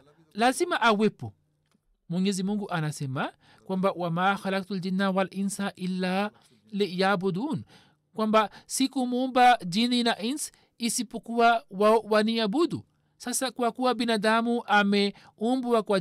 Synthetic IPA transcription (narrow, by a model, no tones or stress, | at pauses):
lazimaʔawepːṵ | muɲezimuŋɡuʔanasɛma | kwambawamaxalak̚t̪ald͡ʒinːawalʔinsaʔilːa | lijabud̪uːn | kwambasikumumbad͡ʒininaʔins | isipːukuwawawaniabud̪ṵ | sasakwakuwabinad̪amuʔamɛ | ʔumbuwakwa